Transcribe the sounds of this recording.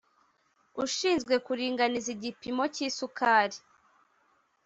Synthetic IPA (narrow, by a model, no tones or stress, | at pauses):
uʃiːnzɡwe̞kuɾiːŋɡaniziɟipimo̞ciːsukaːɾi